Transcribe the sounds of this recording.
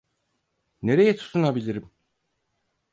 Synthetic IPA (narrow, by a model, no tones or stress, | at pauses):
ne̞ɾejeɛt̪ʰu̥sunabilʲiɾim